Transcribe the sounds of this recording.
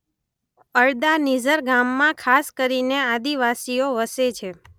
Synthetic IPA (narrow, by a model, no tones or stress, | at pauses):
əɭd̪anid͡ʒəɾɡamːãkʰaskəɾinead̪iʋasioʋəset͡ʃʰe